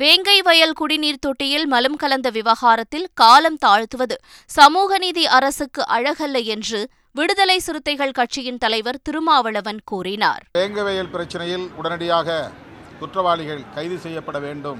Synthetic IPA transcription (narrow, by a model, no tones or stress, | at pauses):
ʋeːŋɡɐɪʋɐjɐlkʊɽɪniːɾt̪ɔʈːɪjɪlmɐlɯmkɐlɐnd̪ɐʋɪʋɐɣaːɾɐt̪ːɪlkaːlɐmt̪aːɻt̪ɯʋɐðɯ | sɐmuːɣɐniːðiʔɐɾɐsɯkːɯʔɐɻɐɣɐlːɐjɛndrɯ | ʋɪɽɯðɐlɐɪsɪɾɯt̪ːɐɪɣɐɭkɐʈt͡ʃɪjɪnt̪ɐlɐɪʋɐɾt̪ɪɾɯmaːʋɐɭɐʋɐnkuːrɪna̰ːɾʋeːŋɡɐɪʋɐjɐlpɪɾɐt͡ʃːɐnɐjɪlʊɽɐnɐɽɪjaːɣɐ | t̪ʊʈrɐʋaːɭɪɣɐɭkɐɪðɯsɛjːɐpːɐɽɐʋeːɳɖɯm